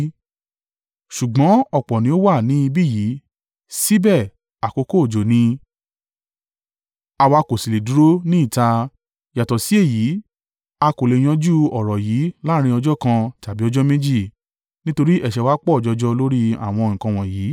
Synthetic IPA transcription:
ʃu˨ɡ͡bɔ̃˨˦ɔ˦˨k͡pɔ˨nĩ˨˦o˦wa˦˨nĩ˨˦i˧bi˦˨jiː˨˦ | si˦bɛ˦˨ | a˨ko˨˧ko˦˨d͡ʒo˨nĩ˧ | a˧wa˧ko˨si˨le˨du˨˦ɾo˦nĩ˦i˦˨ta˧ | ja˨tɔ˨si˨˦e˦˨jiː˨˦ | a˧ko˨le˨j̃ã˧d͡ʒu˦ɔ˨ɾɔ˨jiː˨˦la˦ɾ̃ĩ˧˦ɔ˧d͡ʒɔ˦kã˧ta˨bi˨˦ɔ˧˦d͡ʒɔ˦mẽ˦d͡ʒi˦˨ | nĩ˦to˧ɾi˦ʔɛ˦˨ʃɛ˨wa˦k͡pɔ˦ɔ˨d͡ʒɔ˧d͡ʒɔ˦lo˦ɾi˦a̰˨w̃ɔ̃˧˨ŋ̩̃˨kã˧w̃ɔ̃˨jiː˨˦

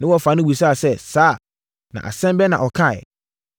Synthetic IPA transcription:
nɪ̃˦wɔ˨fa˨nɪ̃˦wu˨saː˦˨sɛ˦saː˦˨ | nã̰˨ʔa̰˨sɛ̃˦mbɛ˦nã̰˨ʔɔ˨kʰã˦˨

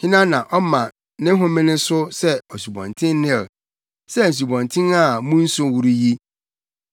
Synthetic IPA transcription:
hɪ̃˦nã˦nã˨ʔɔ˦mã˨ | nɪ̃˦ɦʊ̃˦mɪ̃˦nɪ̃˦sʊ˦sɛ˦ɔ˨su˨bɔ̰̃˨ntʰɪ̃˦nː˦ɪ̃˦˨ | sɛ˦˨n̩˨s̬u˨bɔ̃˨ntʰɪ̃˦na˦˨mũ˦n̩˦sʊ̃˦wu˨ɾi˦ji˦

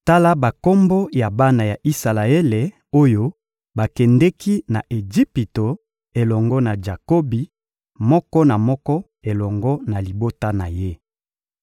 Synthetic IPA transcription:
ta˦la˦ba˨ko˦mbo˦ja˨ba˦na˨ja˨ʔi˦sa˨la˨e˦le˨ | o˦jo˦ | ba˨kɛ˨ndɛ˦ki˦na˨ʔe˨d͡ʒi˦pi˨to˨ | e˨lɔ˨ŋɡɔ˦na˨d͡ʒa˨ko˦bi˨ | mɔ˦kɔ˦na˨mɔ˦kɔ˦ | e˨lɔ˨ŋɡɔ˦na˨li˨bo˦ta˦na˨je˦

